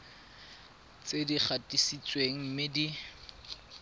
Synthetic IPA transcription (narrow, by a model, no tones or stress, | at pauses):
t͡sedik͡xʰatʼisit͡sʼweŋ̩m̩mɪdi